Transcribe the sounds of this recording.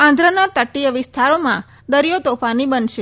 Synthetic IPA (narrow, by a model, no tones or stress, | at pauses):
ãnd̪ʱɾənat̪əʈːijəʋɪst̪ʰaɾomã̰ | d̪əɾijot̪ofanibənʃe